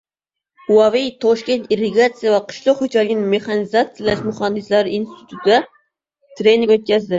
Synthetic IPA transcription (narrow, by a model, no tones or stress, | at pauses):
uɑvijt̪ʰɔʃkʲent̪iɾɪɡɑt̪sɨijɛvɛqʰɨ̥ʃlˠoqhød͡ʒælɪɡʲnɪmeχɑnɨzɑt̪sɨjlˠaʃmuχɑnd̪ɨslæɾinst̪ʰi̥t̪ʰut̪ʰd̪ɛ | t̪ʰɾeniŋʲøt̪̚kʲɛzd̪ɪ